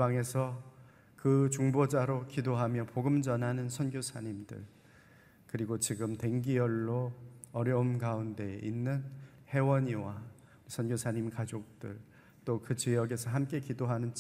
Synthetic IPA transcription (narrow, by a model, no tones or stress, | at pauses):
ibaŋe̞sʰʌ | kɯt͡ɕuŋbod͡ʑaɾokidoɦamjʌpoɡɯmd͡ʑʌnɦanɯnsʰʌnɡjosʰaɲimdɯ̰ɭ | kɯɾiɡot͡ɕiɡɯmte̞ŋɡijʌɭːoʌɾjʌumɡaunde̞ʔinːɯn | he̞wʌɲiwa | sʰʌnɡjosʰaɲimkad͡ʑok̚t͈ɯ̰ɭ | t͈okɯt͡ɕijʌɡe̞sʰʌɦamk͈e̞kidoɦanɯnt͡ɕ